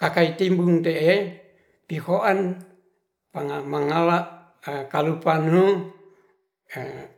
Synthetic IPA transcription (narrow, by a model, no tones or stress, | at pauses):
kakait̪imbuŋt̪ee | pihoʔan | paŋamaŋalaʔ | kalupanu